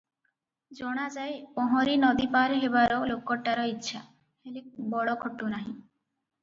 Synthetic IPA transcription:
d͡ʒɔɽ̃ad͡ʒajpɔɦɔ̃ɾinɔd̪ipaɾɦebaɾɔlokɔʈːaɾɔitːʃʰa | helek̚bɔɭɔkʰɔʈːunaɦĩ

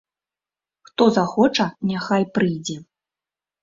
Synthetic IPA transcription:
xt̪ɔzaxɔt͡ʂɐnʲaxajpɾɨjd͡zʲɛ

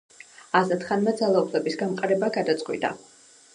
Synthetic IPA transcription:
azat̪ʰχanmɛd̪zalˠaupʰlɛbisɡamqʼaɾɛbaɡad̪at̪sʼqʼwḭd̪a̰

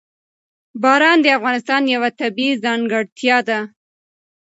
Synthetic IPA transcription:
bɑɾɑnd̪əafɣɑnɪst̪ɑnjawat̪abizɑŋɡaɽt̪jɑd̪a

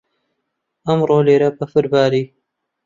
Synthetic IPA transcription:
ɐmɾoːleːɾɐbɐfɨɾbaːɾiː

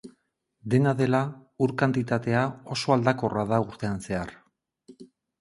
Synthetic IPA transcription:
d̪e̞naðe̞lauɾkant̪it̪at̪e̞ao̞so̞ald̪ako̞raðauɾt̪e̞anse̞ar

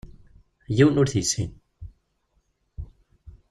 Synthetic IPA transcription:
jiwnʊɾθisḭn

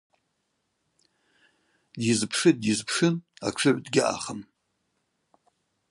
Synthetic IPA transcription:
dizpʰʂɨdjizpʰʂɨna̰ʈ͡ʂʰɨʕʷdɡʲɪʔa̰χəm

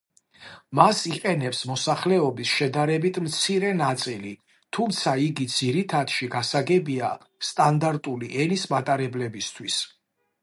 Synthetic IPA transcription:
masiqʼɛnɛpsmɔsaχlɛɔbisʃɛd̪aɾɛbit̪ʰmt̪sʰiɾɛnat̪sʼili | t̪ʰumt̪sʰaiɡid̪z̥iɾit̪ʰad̪̥ʃiɡasaɡɛbia | st̪ʼand̪aɾt̪ʼuliʔɛnismat̪ʼaɾɛblɛbist̪ʰwis

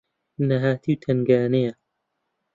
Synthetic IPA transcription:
nɐɦaːt̪ʰiwt̪ʰɐŋɡaːnejɐ

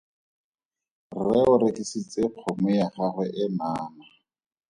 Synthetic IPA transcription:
rɛʊɾɪkisit͡sʼɪq͡χʰɔmɛjaχaχwɛʔɪmaːma

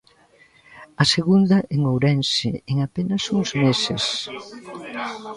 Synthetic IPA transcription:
ɐseɣund̪ɐʔeŋowɾɛnseeŋapenɐsuŋzmeses

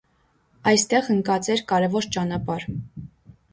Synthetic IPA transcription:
ɑjst̪ɛʁəŋkɑt͡sɛɾkɑɾɛvɔɾt͡ʃɑnɑpɑɾ

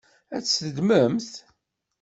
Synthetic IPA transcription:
æt͡sːsəd̪məmθ

